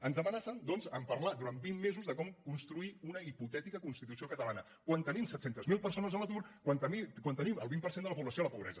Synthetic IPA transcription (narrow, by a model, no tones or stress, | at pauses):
ənzəmənasənd̪ɔnzəmpərlad̪uɾanbimːezuzðəkɔmkunst̪ɾuiunəiput̪ɛt̪ikəkunst̪it̪usiokət̪əlanə | kwant̪ənimsɛt̪sent̪əzmilˠpəɾsonəzələt̪uɾkwant̪əikwant̪əniməlˠβimpəɾsend̪ələpuβləsioləpuβɾɛ̰zə